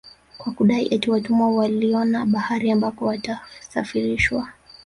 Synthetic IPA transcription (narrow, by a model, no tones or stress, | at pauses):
kwakuɗaiʔɛtiwatumawaliɔnaɓahaɾiambakɔwatasafiɾiʃwa